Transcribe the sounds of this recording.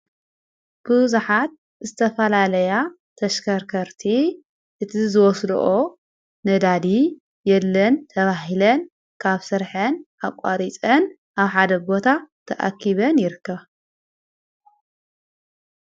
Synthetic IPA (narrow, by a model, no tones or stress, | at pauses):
b̥ɨzuħat̪̚ | zɨt̪ʰɐfɐlalɐja | t̪ʰɐʃkʰɐɾkʰɐɾt̪ʰi | ʔɨt̪ʰizɨwɔslṵʔo | nɐd̪ad̪i | jɛlːɐnt̪ʰɐβaɦilɐn | kʰaβsɨɾħɨnʔaβkʷʼa̰ɾit͡sʼɐn | ʔaβħad̪ɐbo̞t̪ʰat̪ʰɐʔa̰kʰːiβɐnjɪɾɨkːɐβ